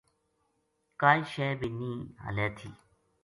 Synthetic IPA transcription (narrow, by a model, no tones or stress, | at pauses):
kaːiʃeːbiːnĩːɦə̰leːt̪ʰḭː